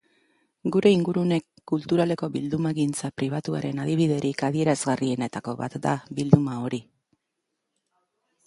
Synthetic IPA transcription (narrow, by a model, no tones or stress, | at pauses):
ɡuɾe̞iŋɡuɾune̞kːult̪uɾale̞ko̞βild̪umaeɣint͡sapɾiβ̞at̪ua̰ɾe̞nað̞iβ̞ið̞e̞ɾikað̞ie̞ɾazɣarie̞ne̞t̪ako̞βa̰t̪d̪a̰bild̪umao̞ɾi